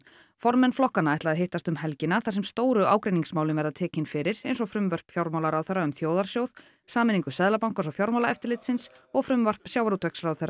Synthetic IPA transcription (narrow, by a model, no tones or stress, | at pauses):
fɔɾmɛnflɔhkanaɛht̪laaðɦɪht̪ast̪ʏmhɛlcɪnaθas̬ɛmst̪oːwɾʏʔaːwkɾejniŋsmaːwlʏmvɛɾðaðt̪ʰɛːcɪnfɪɾɪɾejns̬ɔfɾʏmvœr̥pfjawɾmawlaɾawθɛɾːaʏmθjoːwðaɾ̥sjowð | saːmɪniŋkʏsɛðlapawŋkɔnsɔfjawɾmawlaɛft̪ɪɾlɪt̪sɪns | ɔɣfɾʏmvœr̥psjaːwɾut̪ʰœksrawθɛɾrːa